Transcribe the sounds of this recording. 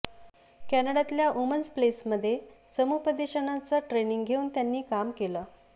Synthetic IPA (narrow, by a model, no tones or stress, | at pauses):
kænəɽat̪ljaʔumənsplesməd̪ʱːjesəmupəd̪eɕənat͡səʈɾeniŋɡɡʱeuːnt̪janːiːkamkelə